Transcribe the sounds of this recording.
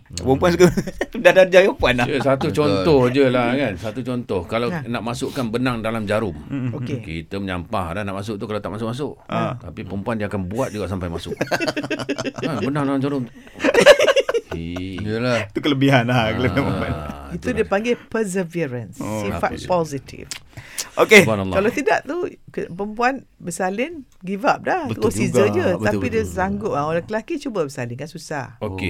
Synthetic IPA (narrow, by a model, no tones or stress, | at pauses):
pəmpuansuɡədadad͡ʒajopuanaəsat̪ut͡ʃɔnt̪ɔhd͡ʒəlahkansat̪ut͡ʃɔnt̪ɔhkalanaʔmasʊʔkanbənaŋdalamd͡ʒaɾʊmokekḭt̪əməɲa̰mpahdanaʔmas̬ʊʔ̚t̪ukalawt̪aʔmasʊk̚ʔmas̬ʊʔat̪apipəmpuandiəakanbuat̪̚d͡ʒuɡaʔsampajmasʊʔ | abənaŋdalamd͡ʒaɾʊm | lait̪ukələbiɦanakələbimanit̪udiəpaŋɡɪpəs̬əviɾənsifat̪pɔsit̪ʰḭfʔokenlːkalat̪ida̰ʔt̪ukəpəmpuanbəsalɪn | ɡivap̚daht̪usizəɲət̪appidəsaŋɡʊt̚aolɛkəlakit͡ʃubəbəsalɪnkansusahoke